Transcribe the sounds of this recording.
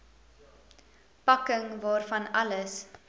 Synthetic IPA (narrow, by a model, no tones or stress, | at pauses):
pɐkəŋvɑːrfɐnɐləs